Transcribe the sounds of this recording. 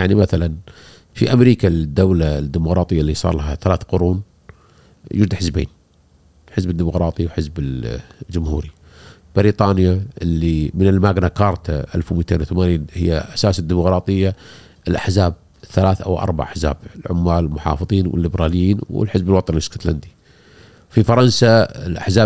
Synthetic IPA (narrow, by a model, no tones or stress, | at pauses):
jaʕnimaθalan | fḭʔamɾiːkad̪ːawlad̪ːimʊqɾˤɑːt̪ˤɨjːaʔlːisˤɑ̰ːɾˤlaɦaθalaːθqʊɾuːn | jɪɾd̪ħɪzbḛːn | ħɪzbɪd̪ːimʊqɾˤɑːt̪ˤiwħɪzbɪld͡ʒʊmhuːɾi | b̥ɪɾiːt̪ˤɑːnjaʔɪlːimɪnɪlmaːɡnakɑːɾˤt̪ʰaʔa̰lfwmiːt̪eːnwθamaːniːnhɪ̰jːaʔasaːsad̪ːimʊqɾˤɑːt̪ˤɨjːa | ʔɪlʔaħzaːb̚ | θalaːθʔa̰wʔɑ̰ɾˤba̰ʕaħza̰ːb̥ɪlʕʊmːaːllmʊħɑ̰ːfɨðˤiːnwɪ̰lːɪbɾɑːlɪjːiːnwɪ̰lħɪzbɪlwɑt̪ˤɑnlɪsko̥t̪land̪i | fifɑɾˤɑnsaɪ̰lʔa̰ħzaː